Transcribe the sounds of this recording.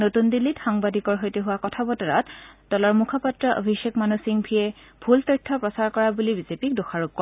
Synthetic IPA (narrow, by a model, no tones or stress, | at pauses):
notundilːitxaŋbadikɔɹɦojteɦʊwakɔtʰabɔtɔɹa̰td̥ɔlɔɹmukʰɔpɔtɹɔʔo̰bʱiʃekmanusiŋbʰʱijɛ | b̥ʱultɔjtʰːɔpɹɔsaɹkɔɹabulibizepik̚doxaɹuk̚kɔɹ